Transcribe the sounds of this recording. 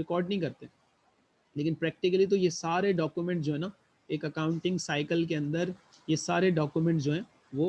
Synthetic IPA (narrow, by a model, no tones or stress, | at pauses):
ɾɪkɔːɾɖnɐɦĩkɐɾt̪eɦɛ̃ | leːkɪnpɾɛːk̚ʈɪkəlit̪ojesaːɾeɖɔːkjumẽɳʈd͡ʒoːɦɛ̃na | eːkɐkãːʊ̃ɳʈɪ̃ŋɡsaːɪkəlk̬eɐ̃nd̪əɾ | jesaːɾeɖɔːkjumɛ̃ɳʈsd͡ʒoːɦɛ̃ː | ʋoː